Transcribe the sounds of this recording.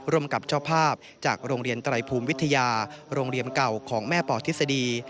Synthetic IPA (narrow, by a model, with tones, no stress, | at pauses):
ɾu˧əmka˨˩p̚t͡ɕʰɔː˥˩pʰaː˥˩p̚ | t͡ɕaː˨˩k̚ɾoː˧ŋɾi˧ənt̪ɾa˧jpʰuː˧mwi˦˥t̪ʰːa˧jaː˧ɾoː˧ŋɾi˧ənka˨˩wkʰɔː˩˦ŋmɛː˥˩pɔː˨˩t̪ʰi˦˥t̚sa˧diː˧